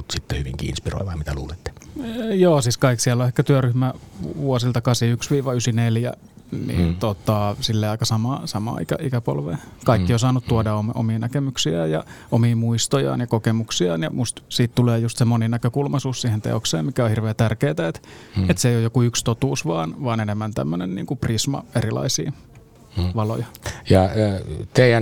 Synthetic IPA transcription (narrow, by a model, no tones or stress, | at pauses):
mut̪sit̪ːehyʋḭŋkḭḭnspiro̰ˑʋɑmit̪ælṵːlet̪ːe̥joːsiːskɑiksiælːoehkːæt̪yøryhmæʋuosilt̪ɑkɑːseyksʋiːʋɑysineljæ̰ | nḭnt̪ot̪ɑsilːeːɑikɑsɑmɑːsɑmɑ̰ːikæ̰ʔikæpo̰lʋḛkɑikːiosɑːnut̪t̪uodɑomʔo̰miːnækemyksiæːjjɑ̰omiːmuist̪ojɑ̰ːnjɑkokemuksiɑ̰ːnjɑmust̪siːt̪t̪uleːjust̪semoninækøkulmɑsuːssiːhent̪ḛokseːmmikæohirʋeːt̪ærkeːt̪æet̪et̪seiojokuykst̪ot̪uːsʋɑːnʋɑːnenemːænt̪æ̰mːønennḭːŋkuprismɑ̰erilɑ̰isḭː | ʋɑlojɑjɑt̪eijæ